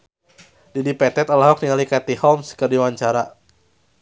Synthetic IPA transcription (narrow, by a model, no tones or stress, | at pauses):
didipɛt̪ɛt̪alaɦɔk̚niŋalikat̪ihɔmskɨrdiwaɲt͡ʃaɾa